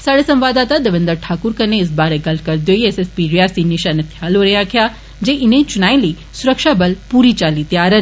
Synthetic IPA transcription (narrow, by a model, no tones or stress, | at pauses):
saːɽesɐ̃mʋaːd̪aːt̪ad̪ɐʋɪ̃nd̪əɾʈʰaːkʊɾkɐneɪsbaːɾeɡɐlkɐɾd̪joːieːsespiɾijaːsinɪʃanet̪ʰjaːloːɾɐjakʰijaː | d͡ʒeʔɪnẽt͡ʃʊnaːĩliː | sʊɾəkʃabɐlpuːɾit͡ʃaːlit̪jaːɾən